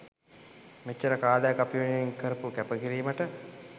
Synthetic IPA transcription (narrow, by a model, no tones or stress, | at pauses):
met͡ʃːəɾəkaːləjəkapiʋenijeŋkəɾəpukæpəkiɾiːməʈə